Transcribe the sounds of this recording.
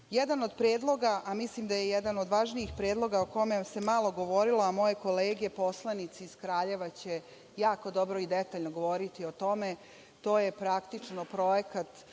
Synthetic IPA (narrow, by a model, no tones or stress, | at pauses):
jɛd̪ano̞d̪pɾeːd̪lˠo̞ɡaʔamislimd̪ajejɛd̪ano̞d̪ʋaʒniixpɾeːd̪lo̞ɡaokomese̞malˠo̞ɡo̞ʋo̞ɾiloamo̞jeko̞leːɡe̞po̞slˠanit̪siːz̥kɾaːʎe̞ʋat͡ɕe | jaːko̞d̪o̞bɾoid̪et̪aːʎnoɡo̞ʋo̞ɾit̪io̞t̪o̞me̞ | t̪o̞ːjepɾakt̪it͡ʂnopɾo̞jekat̪